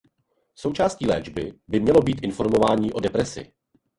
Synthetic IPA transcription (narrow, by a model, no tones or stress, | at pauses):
so̞wt͡ʃaːsciːlɛːd͡ʒbɪbɪmɲɛlo̞biːt̪ʔɪnfo̞ɾmo̞vaːɲiːʔo̞dɛpɾɛsɪ̰